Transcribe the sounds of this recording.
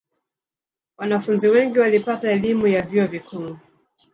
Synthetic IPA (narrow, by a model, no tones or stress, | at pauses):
wanafunziwɛŋɡiwalipataɛlimujavjiɔvikʰuŋu